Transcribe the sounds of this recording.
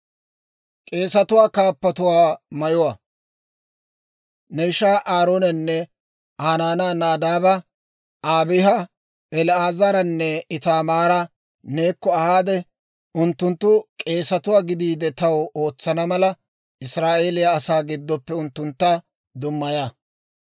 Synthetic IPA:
kʼe̞ːsɐt̪ʊwaːkaːpːɐt̪ʊwaːmɐjʊwaː | nɛɪʃaːʔaːɾoːnɛnːɛ | aːnaːnaːnaːd̪aːbɐ | ʔaːbɪɦɐ | ɛlaːzɐɾɐnːɛɪt̪aːmaːɾɐ | ne̞ːkːɔɐhaːd̪ɛ | ʊnt̪ːʊnt̪ːʊkʼe̞ːsɐt̪ʊwaːɡɪd̪iːd̪ɛt̪ɐwo̞ːt͡sːɐnɐmɐlɐ | ɪsɾaːʔe̞ːlɪjaːsaːɡɪd̪ːɔpːɛʊnt̪ːʊnt̪ːɐ | d̪ʊmːɐjaː

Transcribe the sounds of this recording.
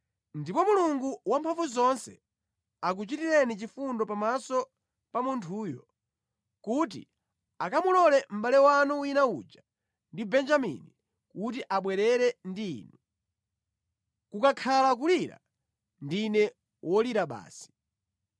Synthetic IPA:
ndipɔmuluŋɡuwampʰaɱvuzɔnsɛ | ak̬ut͡ʃitiɾɛnit͡ʃifundɔpamasɔ | pamuntʰuːjɔ | kut̬ḭ | akamulɔlɛm̩ɓalɛwanuwinaud͡ʒa | ndibɛnd͡ʒamḭni | kut̬iʔaɓwɛɾɛɾɛndiḭːnu | kukakʰalak̬uliɾa̰ | ndinɛ | wʔɔliɾaɓa̰ːsi̥

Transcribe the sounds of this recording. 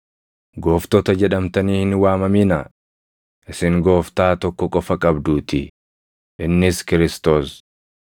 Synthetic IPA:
ɡoːft̪ɔt̪ɐd͡ʒɛᶑɐmt̪ɐniːhɪnwaːmɐmiːnɐ | ʔɪsɪŋɡo̞ːft̪aːt̪ɔkːɔkʼɔfɐkʼɐbd̪uːt̪ɪ | ʔɪnːɪskɪɾɪst̪o̞ːs

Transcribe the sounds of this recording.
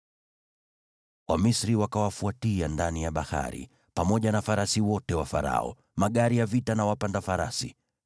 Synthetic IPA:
wamisɾiwakawafuatiandanijaɓaha̰ɾḭ | pamɔʄanafaɾasiwɔtɛwafa̰ɾa̰ɔ̰ | maɠaɾijavitanawapandafaɾa̰sḭ

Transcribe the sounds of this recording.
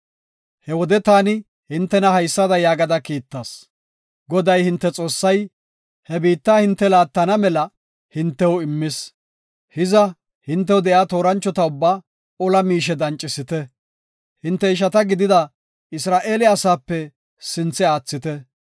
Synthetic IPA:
hɛwɔd̪ɛt̪aːnɪ | hɪnt̪ːɛnɐhɐjsːɐd̪ɐjaːɡɐd̪ɐkiːt̪ːɐːs | ɡɔd̪ɐjhɪnt̪ːɛt͡sʼo̞ːsːɐj | hɛbiːt̪ːaːhɪnt̪ːɛlaːt̪ːɐnɐmɛlɐ | hɪnt̪ːɛwɪmːɪs | hɪzɐ | hɪnt̪ːɛwʊd̪ɛjaːt̪o̞ːɾɐnt͡ʃːɔt̪ɐʊbːaː | ɔlɐmiːʃ̬ɛd̪ɐnt͡ʃʼːɪsɪt̪ɛ | hɪnt̪ːɛɪʃ̬ɐt̪ɐɡɪd̪ɪd̪ɐ | ɪsɾaːʔe̞ːlɪɐsaːpːɛ | sɪnt͡sːɛaːt͡sːɪt̪ɛ

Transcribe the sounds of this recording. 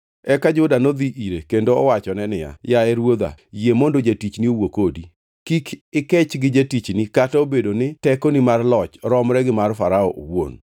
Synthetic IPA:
ɛkad͡ʒʊdanod̪iʔiɾekendoɔ̰wat͡ʃɔnɛnɪja̰jaɛɾwod̪a̰jemondod͡ʒatit͡ʃniowokodi | kikʰɪkɛt͡ʃɡɪd͡ʒatit͡ʃnikataobedonɪtɛkonimarlɔt͡ʃɾɔmɾɛɡɪmarfaɾaɔʔowo̰n

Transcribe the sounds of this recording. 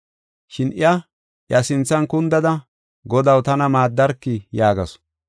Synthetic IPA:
ʃɪnɪ̰jɐ | ʔjɐsɪnt͡sːɐnkʊnd̪ɐd̪ɐ | ɡɔd̪ɐwt̪ɐnɐmaːd̪ːɐɾkːɪjaːɡɐs

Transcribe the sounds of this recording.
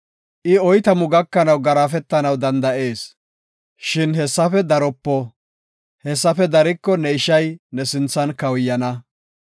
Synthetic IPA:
ʔɪɔjt̪ɐmʊɡɐkːɐnɐwɡɐɾafɛt̪ːɐnɐwd̪ɐnd̪ɐʔe̞ːs | ʃɪnhɛsːɐfɛd̪ɐɾɔpːɔ | hɛsːɐfɛd̪ɐɾɪkːɔnɛɪʃɐjnɛsɪnt͡sːɐnkɐwjːɐnɐ

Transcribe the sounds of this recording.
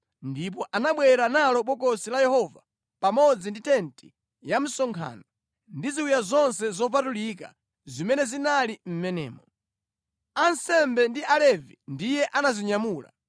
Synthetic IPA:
ndip̬ɔʔanaɓwɛɾanalɔɓɔk̬ɔsilajɛhɔva | pamɔd͡zinditɛnti̥ | jam̩sɔŋkʰa̰ːnɔ | ndiziwujazɔnsɛzɔp̬atulika̰ | zimɛnɛzinalim̩mɛnɛ̰ːmɔ | ansɛmbɛndiʔalɛvindijɛʔanaziɲamuːla̰

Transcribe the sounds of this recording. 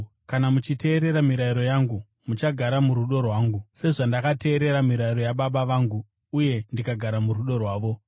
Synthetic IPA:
kanamut͡ʃite̞ːɾe̞ɾamiɾaiɾo̞jaːŋɡu | mut͡ʃaɡʱaɾamuɾuɗo̞rwaːŋɡuse̞ʐandakate̞ːɾe̞ɾamiɾaiɾo̞jaɓaɓaʋaːŋɡuː | je̞ndikaɡʱaɾamuruɗo̞rwaːʋo̞

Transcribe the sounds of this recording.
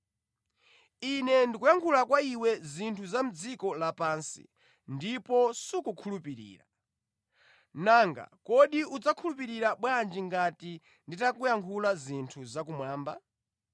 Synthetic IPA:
inɛndikujaŋkʰulakwaiwɛzintʰuzam̩d͡zikɔlapaːnsḭ | ndipɔsukukʰulupiɾḭːɾa̰ | naːŋɡa̰kɔɗiud͡zakʰulup̬iɾiɾaɓwand͡ʒiŋɡati | nditakujaŋkʰulazintʰuzakumwaːmba

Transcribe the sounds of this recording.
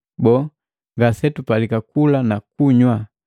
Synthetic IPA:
bɔ | ŋɡasɛtupalikakulanak̚uɲwa

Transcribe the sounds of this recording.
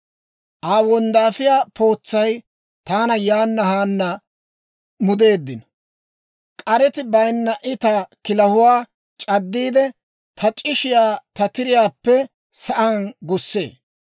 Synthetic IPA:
ʔaːwɔnd̪aːfɪjaːpo̞ːt͡sːɐj | t̪aːnɐjaːnːɐhaːnːɐ | mʊd̪e̞ːd̪ːɪnɔ | kʼɐɾɛt̪ɪbɐjnːɐʔɪt̪ɐkɪlɐhʊwaː | t͡ʃʼɐd̪ːiːd̪ɛ | t̪ʰɐt͡ʃʼɪʃɪjaːt̪ɐt̪ɪɾɪjaːpːɛ | sɐʔɐnɡʊsːe̞̰ː

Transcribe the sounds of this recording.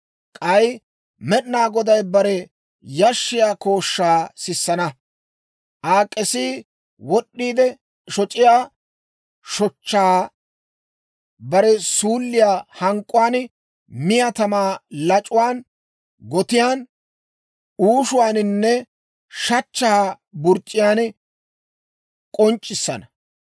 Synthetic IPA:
kʼɐj | mɛɗnaːɡɔd̪ɐjbɐɾɛ | jɐʃːɪjaːko̞ːʃːaːsɪsːɐnɐ | ʔaːkʼːɛsiː | wɔɗːiːd̪ɛ | ʃɔt͡ʃʼɪjaː | ʃɔt͡ʃːaː | bɐɾɛsuːlːɪjaːhɐŋkʼʊwaːn | mɪjɐt̪ɐmaːlɐt͡ʃʼʊwaːn | ɡɔt̪ɪjaːn | uːʃʊwaːnɪnːɛ | ʃɐt͡ʃːaː | bʊɾt͡ʃʼːɪjaːn | kʼɔnt͡ʃʼːɪsːɐ̰nɐ

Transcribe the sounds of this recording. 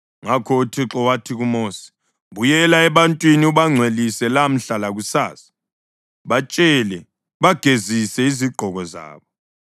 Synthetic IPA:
ŋakʰɔtʰiǁɔwatʰiɣumoːsi̥ | ɓujɛlaɛɓantʼwiniuɓaŋ͡ǀʱwelisɛlam̩ɬalaɣ̬usaːsḁ | ɓat͡ʃʼɛlɛ | βaɡ̥ʱezisɛiziɡ͡ǃʱɔɣɔza̰ːɓɔ

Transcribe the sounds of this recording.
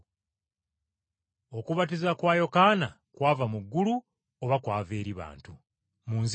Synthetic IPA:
o̞kuβat̬izakwaːjo̞kaːna | kwaːvamuɡːulu | oβakwaːve̞ːɾiβa̰ːntu | muːnz

